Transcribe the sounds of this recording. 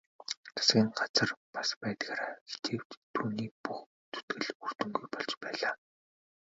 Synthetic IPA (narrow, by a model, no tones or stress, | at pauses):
t̪ʰḁsɡʲiːŋɢat͡sə̆rpaspæːt̪ɣaːɾaɡ̥e̥t̪ʰeːw̥t̪t̪ʰuːniːpux | t͡s̪ʰu̥t̪ɡɘ̆ɮur̥t̪ɵ̆ŋɡujpɔɮt͡ɕpæːɮaː